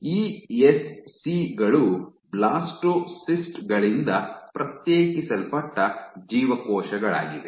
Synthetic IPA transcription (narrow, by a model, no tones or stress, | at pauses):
iːesːiɡɐɭublaːsʈosisʈɡɐɭind̪ɐpɾɐt̪jeːkisɐlpɐʈːɐd͡ʒiːʋɐkɔːʃɐɡɐɭa̰ːɡid̪e